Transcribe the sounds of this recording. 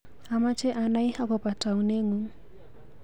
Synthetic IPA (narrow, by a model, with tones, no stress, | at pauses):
a˨ma˦t͡ʃɛ˦ʔa˨na˦i˦ha˦kɔ˨pa˨ta˨u˦ne˦ŋu˦